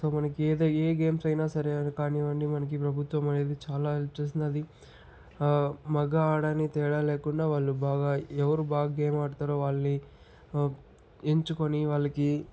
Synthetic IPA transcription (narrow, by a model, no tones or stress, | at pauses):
so̞ːmɐnɐkieːd̪oeːɡeːmsɐjnaːsɐɾeɐnukaːniːʋɐɳɖimɐnɐk̬ipɾɐbʱut̪ʋɐmɐɭeːd̪it͡ʃaːlaːelt͡ʃːeːs̬ind̪ɐd̪i | mɛɡaaːɽaːnit̪ɛːɽaːleːkuɳɖaːʋaːɭːubaːɡaːɛʋɐɾuːbaːɡɡeːmaːɽut̪aːɾoːʋaːɭɐni | eɲt͡ʃukoniʋaːɭːɐki